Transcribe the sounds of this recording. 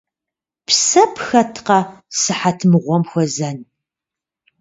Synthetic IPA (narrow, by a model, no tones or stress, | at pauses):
psɐpxɐtʰqɐsɨħatʰmɨʁʷɔmxʷɔzɐn